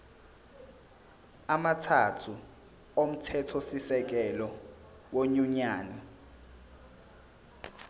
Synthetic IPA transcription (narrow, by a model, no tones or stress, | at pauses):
amatʰatʰu | om̩tʰɛtʰɔsisɛk̬ɛlɔ | woɲuɲaːnɛ